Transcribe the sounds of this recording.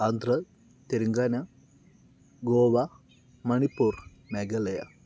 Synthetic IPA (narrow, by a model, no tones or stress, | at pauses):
and̪rɐ | t̪eɾuŋɡaːnɐ | ɡoːʋɐ | mɐɳipːuːr | meɡɐlɐjɐ̰